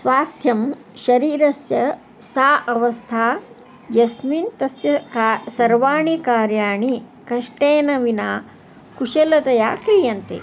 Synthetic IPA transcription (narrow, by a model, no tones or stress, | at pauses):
sʋaːst̪ʰjɐm | ʃɐɾiːɾɐsjɐ | saːʔɐʋɐst̪ʰaː | d͡ʒɐsmiːnt̪ɐsjɐkasɐɾʋaːɳikaːɾjaːɳi | kɐʂʈeːnɐʋinaː | kuʃɐlɐt̪ɐjaːkɾijɐnt̪ḛ